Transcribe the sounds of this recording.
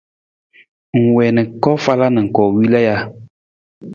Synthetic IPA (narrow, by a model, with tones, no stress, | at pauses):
ŋ̩˨wɛ˨nɨ˨kɔ˦fa˦la˦nɨ˨ŋ̩˨kɔ˨wi˦la˦ja˦